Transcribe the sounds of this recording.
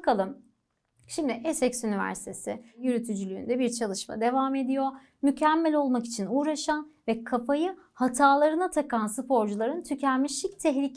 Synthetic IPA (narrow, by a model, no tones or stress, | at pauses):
bkʰalˠɯm | ʃimd̪ɪʔɛsɛcsynivæ̰ɾsi̥t̪ʰesɪjyɾyt̪ʰyd͡ʒylʲy̰ːnd̪ɛbiɾt͡ʃʰalˠɯʃma̰d̪e̞vaːme̞d̪ijo̞ | mycʰæmːɛlʲo̞lˠmaki̥t͡ʃʰinuːɾaʃanvɛkʰafajɯhat̪ʰaːlˠaɾɯnat̪ʰakansɯpʰo̞ɾd͡ʒulˠaɾɯnt̪ʰycʰæmmːiʃic̚t̪ʰɛɦlʲicʰ